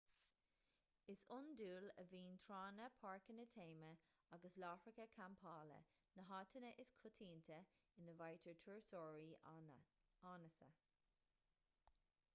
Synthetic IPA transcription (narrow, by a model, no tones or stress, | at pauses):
ɪsʊnduːlə̰viːnt̪ʰɹɑːnəpʰaɹkənətʰeːmə | aɡəslaːfɹɪkəkʰampʰɑːlə̰ | nəɦɑːtʰənəʔɪskʰʊt̪ʰiːnt̪ʰəɪnəvajtʰəɹtʰuɹsɔːɹi | aːnəsə̰